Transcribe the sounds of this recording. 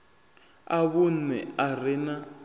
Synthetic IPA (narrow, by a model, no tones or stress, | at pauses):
aβun̩ɛarɛna